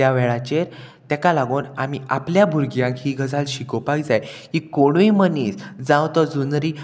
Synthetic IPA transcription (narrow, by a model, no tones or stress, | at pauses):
jaʋɛɭat͡ɕeɾt̪ɛkalaɡoːnamiʔapljabʱuɾɡjãkɦiɡʱəd͡zalɕikopaid͡zajhikoɽ̃uiməniːsd͡zãwt̪ɔd͡zunɾi